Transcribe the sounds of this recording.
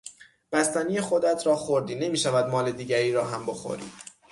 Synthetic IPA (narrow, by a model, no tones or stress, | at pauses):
b̥æst̪æniːjexo̞d̪æt̪ʰɾɒːxoɾd̪iːne̞miːʃævæd̪mɒːle̞d̪iːɟæɾiːɾɒːɦæmboxo̰ɾḭːd̪̥